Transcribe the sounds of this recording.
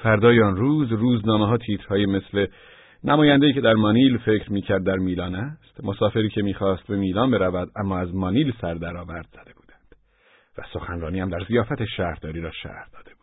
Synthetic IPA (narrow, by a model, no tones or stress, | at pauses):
fæɾd̪ɒːjeɔnɾuːzruːznɒːmeɦɒːt̪ʰiːt̪ʰɾhɒːjeme̞sle̞ | nʔæmɒːjænd̪ejiːcʰe̞d̪æɾmɒniːlfe̞cɾmiːcʰæɾd̪ːæɾmiːlɒːnæst̪mosɒːfe̞ɾiːcʰe̞miːxɒːst̪̚be̞miːlɒːnbe̞ɾævæd̪æmːɒːæzmɒːniːlsæɾd̪æɾɒːvæɾd̪z̥æd̪e̞buːd̪æ̥nd̪̥ | væ̰so̞xænɾɒːniːhæmd̪æɾzijɒːfæt̪ʰe̞ʃæːhɾd̪ɒːɾiːɾɒːʃæ̰hɾd̪ɒːd̥̪e̞b̥u̥ːd̪̥